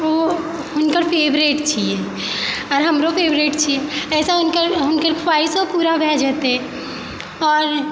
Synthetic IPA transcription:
ʋoː | ʊnkəɾpʰeːbɾeːʈt͡ʃʰieː | ɔːɾɦɐmɾopʰeːbɾeːʈt͡ʃʰieɛːsaʊnkəɾʊnkəɾkʰʋaːɪsopuːɾabʱɛ̃ːd͡ʒət̪ɛ̃ | ɔːɾ

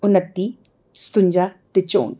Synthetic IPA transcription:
unãt̪i | st̪und͡ʒat̪et͡ʃoʔṵ

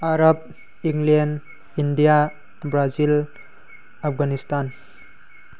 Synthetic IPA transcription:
aɾab̚ | iŋɡlen | indija | bɾazil | apʰɡanistan

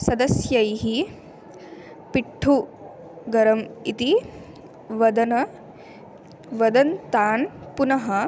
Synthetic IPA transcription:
sɐd̪ɐsjɐjɦi | piʈʰːu | ɡɐɾɐmit̪i | ʋɐd̪ɐnɐ | ʋɐd̪ɐnt̪aːnpunɐɦɐ

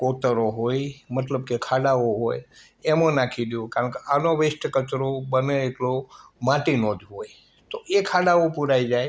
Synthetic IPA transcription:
kot̪əɾoɦojmət̪ləbkekʰaɽaoɦoj | emãnakʰid̪jõkaɾə̃ɳkeʔanoʋesʈəkət̪ɾobəneːʈlomãʈinod̪ʱɦoj | t̪oʔekʰaɽaopuɾaid͡ʒaj

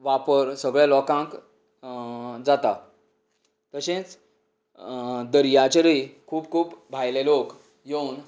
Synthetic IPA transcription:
ʋapəɾsəɡɭjalɔkãŋk | d͡zat̪a | t̪əɕẽt͡s | d̪əɾjat͡ɕəɾikʰuːp̚kʰuːpbʱajlelok | jewn

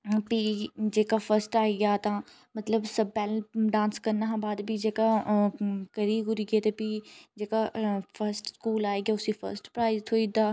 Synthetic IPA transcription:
piːd͡ʒeːkaːpʰəɾsʈaːeɡjaːt̪ãː | mət̪ləbsəbpɛːlɖãːnskəɾnaɦãbaːd̪bʱid͡ʒeːka | kəɾiːɡʊɾiːɡeːt̪epiːd͡ʒeːkapʰəɾsʈskuːlaːeːɡjaːʊsifʰə̰ɾsʈpɾaːɪzt̪ʰoːid̪aː

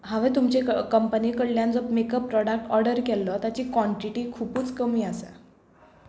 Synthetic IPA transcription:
ɦaʋet̪umt͡ɕekəmpəniːkəɽljãnd͡zɔpmekəpːɾɔɽak̚ʈɔɾɖəɾkɛlːɔt̪jat͡ɕiːkʋɔɳʈiʈiːkʰupuːt͡skəmiːasa̰

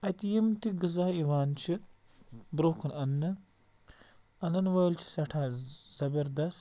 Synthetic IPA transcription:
ɐt̪ijimt̪iɡɨzaːiwaːnt͡ʃʰi | bɾoːkʰɐnɐnːɨ | ɐnɐnʋɐjlt͡ʃʰi̥sɐʈʰaːz̥ɐbɐɾd̪ɐs

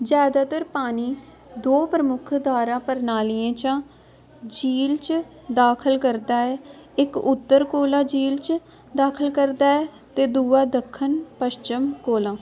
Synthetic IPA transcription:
zjaːd̪aːt̪əɾpaːniː | d̪oːpɾəmʊkʰd̪aːɾãːpəɾnaːliãːt͡ʃãː | d͡ʒiːlt͡ʃ | d̪aːkʰəlkəɾd̪aːɛːɪkʊt̪ːəɾkoːlãːd͡ʒiːlt͡ʃ | d̪aːkʰəlkəɾd̪aːɛː | t̪eːd̪uːaːd̪əkʰːənpəʃt͡ʃɪmkoːlãː

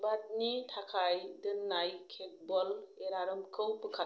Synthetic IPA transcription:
bat̚nitʰakʰajdɯnːajkʰet̚bɔleɾaɾɯmkʰɯwpɯkʰa

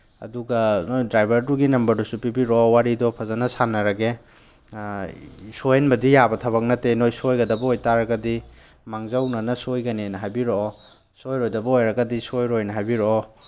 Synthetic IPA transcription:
ɐ̰duɡɐnojdɾajbʱɐɾduɡinɐmbɐɾdusupibiɾɔwaɾidɔpʰɐzanɐsanɐɾɐɡe | sojenbɐdijabɐtʰɐβɐk̚nɐtenojsojɡɐdɐbɐojtaɾɐɡɐdi | maŋzawnɐnɐsojɡɐnenɐɦajbiɾoo | sojɾojdɐbɐojɾɐɡɐdisojɾojnɐɦajbiɾoɔ

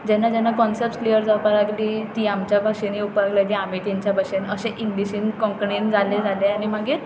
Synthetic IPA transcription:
d͡ʑɛnːad͡ʑɛnːakɔnsep̚sklijəɾd͡zapaɾlaɡliːt̪iːamt͡ɕjabʱaʂeniupəɾaɡlaɡiam̤it̪aɲt͡ɕjabʱaʂenəɕeʔiŋɡliɕiːnkɔ̃ŋkɳend͡zaled͡zaleaɽ̃imaɡiːɾ

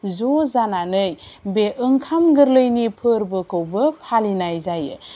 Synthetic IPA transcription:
zozananɯjbeʔɯŋkʰamɡɯɾlɯjnipʰɯɾbɯkʰɯwbəpʰalinajzajɯ̰

